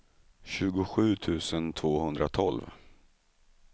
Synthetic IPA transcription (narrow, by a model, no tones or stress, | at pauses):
ɕʉ̟ːɡʊɧʉ̟ːt̪ʰʉ̟ːsənt̪ʰvoːhɵnd̪ɾat̪ʰɔlv